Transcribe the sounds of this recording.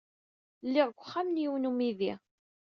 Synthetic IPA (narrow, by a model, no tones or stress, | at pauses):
lːɪʁɡʷχːamnjiwnumiði